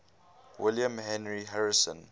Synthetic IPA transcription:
wɪljə̃mɦɛ̃nɹiɦaɹisə̰̃n

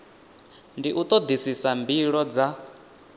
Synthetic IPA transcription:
ndiʔut̪ʼɔd̪isisambiɺɔd͡za

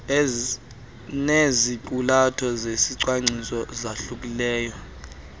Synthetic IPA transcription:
nezik̬ʼulatʰɔzesiǀwaŋ͡ǀisɔzaɬuk̬ʼilɛːjɔ

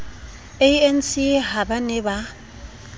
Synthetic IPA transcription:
eɛn̩siɦabanɛba

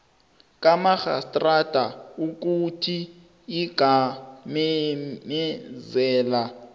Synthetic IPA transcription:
kʼamaxa̰stʼrad̥ʱauk̬utʰiː | ɡ̥ʱamɛmɛzɛːla

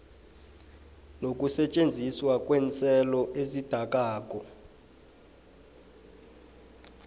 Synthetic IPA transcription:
nok̬ʼusɛt͡ʃʼend͡zʱiswakʼwɛnt͡sʰʼɛlɔʔezid̥ʱak̬ʼaːk̬ʼɔ

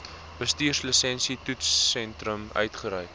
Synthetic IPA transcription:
b̥əstiːrsləsɛnsitutsːɛntrəmœ̰ɥtχəɾœjt

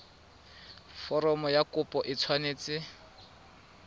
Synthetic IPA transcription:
fɔɾɔmɔjakʊpʼɔʔɪt͡sʰwaneːt͡sɪ

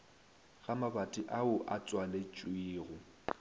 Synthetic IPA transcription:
ɣamabatʼiʔaʊʔat͡sʼwalet͡ʃʼwiːɣʊ

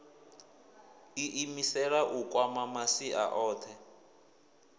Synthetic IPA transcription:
iʔimisɛɺaʔukʼwamamasiʔa̰ʔɔːtʰɛ

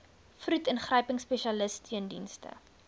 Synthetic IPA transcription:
frutənχrəjpəŋspɛʃɐləstʰiəndinstə̰

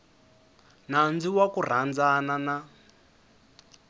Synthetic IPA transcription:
nand͡ziwakur̤and͡zanana

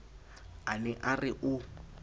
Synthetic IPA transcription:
anɛʔarɪʔʊ

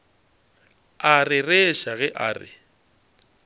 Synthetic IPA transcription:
arɪreʃaɣɛʔaːrɪ̰

